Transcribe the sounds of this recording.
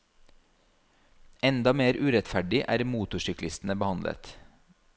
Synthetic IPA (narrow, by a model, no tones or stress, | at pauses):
ɛnd̪ɑmeːɾʔʉːɾɛt̪fæɖɪʔæ̰ːɾmuːt̪ʊʃʏklɪst̪n̩əbəhɑnd̪lʔə̰t̪